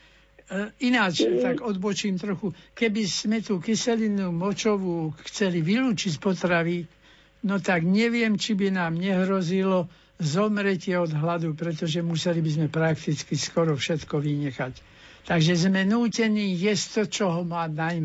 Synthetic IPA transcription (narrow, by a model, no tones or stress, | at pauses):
inat͡ʃt̪aɡɔd̪bɔt͡ʃiːmt̪ɾɔxukɛbizmɛt̪uːkisɛlinuːmɔt͡ʃɔʋuːxt͡sɛliʋiluːt͡ʃicpɔt̪ɾaʋi | nɔt̪aɡɲɛʋɪɛmt͡ʃibinaːmɲɛɦɾɔzilɔ | zɔmɾɛcɪɛɔd̪ɦlad̪upɾɛt̪ɔʒɛmusɛlibizmɛpɾakt̪it͡skiskɔɾɔfʃɛt̪kɔʋiɲɛxac | t̪aɡʒɛzmɛnuːcɛniːjɛst̪ɔt͡ʃɔɦɔmaːnajm